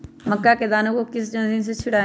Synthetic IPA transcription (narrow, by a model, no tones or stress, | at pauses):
məkːaːked̪aːnokokɪsd͡ʒə̃nsĩns̬et͡ʃʰʊɽaː